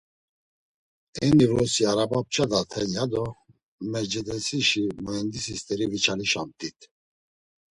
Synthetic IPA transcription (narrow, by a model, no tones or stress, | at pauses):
ɛnivlɔsiaɾabap̚t͡ʃʰʼad̪at̪ʰɛjad̪ɔ | mɛd͡ʒɛd̪ɛsiʃimɔjɛnd̪isist̪ʼɛɾivit͡ʃʰaliʃamt̪ʼit̪ʰ